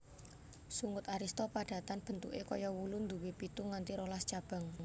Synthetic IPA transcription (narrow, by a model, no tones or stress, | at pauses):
suŋʊt̪aɾist̪ɔpaɖ̥ä̤t̪anb̥ə̤nt̪ṵʔekojɔwulund̪uwepit̪uŋant̪iɾolast͡ʃab̥a̤ŋ